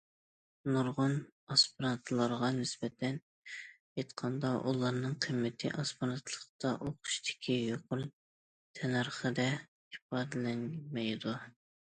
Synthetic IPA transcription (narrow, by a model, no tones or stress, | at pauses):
nuɾʁʊnɑspɾɑnt̪ʰlˠɑɾʁɑnɪsbɛt̪ʰɛn | jet̪qʰɑnd̪ɑʔulˠɑɾnɨŋqʰimːɪt̪ʰɪ̰ʔɑspɑɾɑnt̪ʰlˠəqt̪ɑʔoqʰʊ̥ʃt̪ʰɪ̥kʲʰijoqʰʊɾ | t̪ʰɛnɑɾχəd̪ɛ | ipɑːd̪ɨlɛnmɛjd̪u